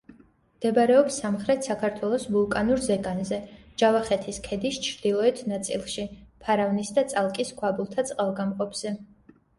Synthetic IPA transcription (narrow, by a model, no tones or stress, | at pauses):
md̪̥ɛbaɾɛɔpsːamχɾɛt̪ʰsakʰaɾt̪ʰwɛlˠɔsbulˠkʼanuɾzɛɡanzɛ | d͡ʒavaχɛt̪ʰiskʰɛd̪ist͡ʃʰɾd̪̥ilˠɔɛt̪ʰnat̪sʼḭlˠʃipʰaɾavnisd̪at̪sʼalˠkʼiskʰwabulˠt̪ʰat̪sʼqʼalˠɡamqʼɔpʰz̥ɛ